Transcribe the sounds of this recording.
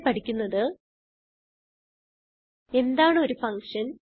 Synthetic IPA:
pɐʈʰikʲːunːɐðɨ | e̞nd̪aːɳɨo̞ɾufɐŋkʂɐn

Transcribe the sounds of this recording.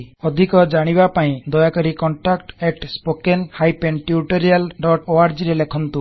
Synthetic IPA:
ɔd̪ʱikɔd͡ʒaɽ̃ibapaĩd̪ɔjakɔɾikɔɳʈakʈeʈspokenhajpenʈjuʈɔɾialɖɔʈoaɾd͡ʒiɾelekʰɔnt̪u

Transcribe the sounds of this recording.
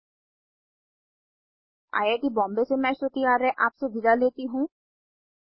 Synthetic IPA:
a̰ːjekibɔ̃ːmbesemɛ̃ːʃot̪iaːɾɛʔaːpseʋʱɪd̪aleːt̪iɦũː

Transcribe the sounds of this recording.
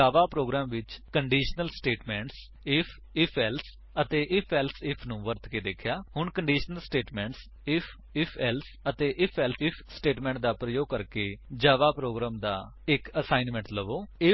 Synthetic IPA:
aːʋaːpɾoːɡɾaːmʋɪt͡ʃkəɳɖiːʃnəlsʈeːʈmɛ̃ːɳʈs | ɪpʰ | ɪpʰɛːls | ət̪eːʔɪpʰɛːlsɪpʰnũːʋəɾt̪keːd̪eːkʰjaːhʊɳkəɳɖiːʃnəlsʈeːʈmɛ̃ːɳʈs | ɪpʰ | ɪpʰɛːls | ət̪eːʔɪpʰɛːlɪpʰsʈeːʈmɛ̃ːɳʈd̪aːpɾəjoːɡ̚kəɾkeːd͡ʒaːʋaːpɾoːɡɾaːmd̪a̰ː | ɪkəsaːinmɛ̃ːɳʈləʋoːɪ

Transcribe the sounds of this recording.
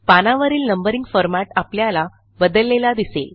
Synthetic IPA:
panaʋəɾiːlnəmbəɾiŋɡfɔɾmaʈapljala | bəd̪əlːelad̪isḛl

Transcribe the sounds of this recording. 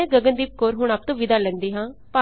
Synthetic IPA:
ɛ̃ːɡəɡə̃nd̪iːp̚koːɾɦʊɳaːp̚t̪õːʋɪd̪aːlɛ̃ːnd̪iːɦãːpaː

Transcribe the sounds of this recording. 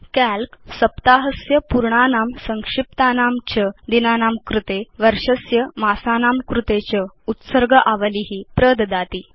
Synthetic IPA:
kælksəpt̪aɦəsjəpuɾɳanamsəŋkʂip̚t̪anamt͡ɕəd̪inanaːmkɾut̪eʋəɾʂəsjəmasanamkɾut̪et͡ɕəut̪səɾɡʱəʔaʋəliɦiːpɾəd̪d̪at̪iː

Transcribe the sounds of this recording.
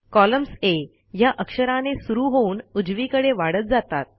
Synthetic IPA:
kɔləmse | jaʔəkʂəɾãnesuɾuɦouːnud͡zʋikəɽeʋaɽət̪̚d͡zat̪a̰t̪̚

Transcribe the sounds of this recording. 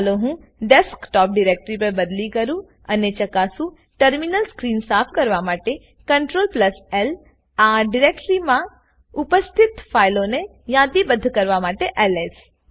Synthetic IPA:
loɦũ | ɖeskʈɔp̚ɖiɾek̚ʈɾip̬əɾbəd̪likəɾũ | ənet͡ʃəkasũ | ʈəɾminəlskɾinsafʰkəɾʋamaʈe | kəɳʈɾolpləsel | aɖiɾek̚ʈɾimã | upəst̪ʰɪt̪failone | jãd̪ibəd̪ʱːkəɾʋamaʈeʔɛles

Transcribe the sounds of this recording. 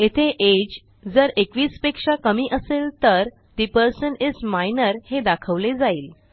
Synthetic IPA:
et̪ʰeʔed͡ʑ | d͡zəɾekʋiːspekʂakəmiːʔəselt̪əɾ | t̪ipəɾsənid͡zmajnəɾhed̪akʰəʋled͡zaiːl

